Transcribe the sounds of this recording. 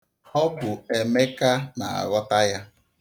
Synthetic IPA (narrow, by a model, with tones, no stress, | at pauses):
ɔ˦bʊ˨e˨me˦ka˦na̰˨a̰˨ɾɔ˦ta˦ja˦